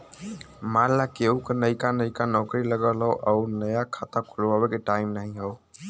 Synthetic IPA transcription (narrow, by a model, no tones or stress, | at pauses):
malːakeukenəɪkanəikanɔkɾiləɡəlɦɔʔɔuɾnəjakʰat̪akʰulabekeʈaɪmnaɦĩɦɔː